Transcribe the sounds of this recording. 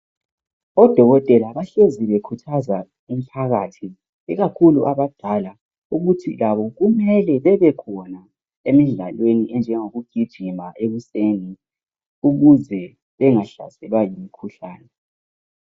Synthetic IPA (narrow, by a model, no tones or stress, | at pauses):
ɔd̥ʱɔɣɔtʼɛlaβaɬeziβekʰutʰaza | um̩pʰaɣatʰi | iɣakʰuluʔaβad̥ʱala | uɣutʰḭlaβɔɣumɛlɛβɛβɛkʰɔna | emiɮalweniʔɛnd͡ʒʱɛŋoɣuɡ̥ʱid̥ʒ̥ʱimaʔeɣuseni | uɣuzɛ | βɛŋaɬa̰sɛlwajimikʰuɬaːnɛ